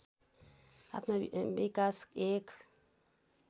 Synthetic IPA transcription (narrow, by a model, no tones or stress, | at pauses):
a̰t̪mabekaskek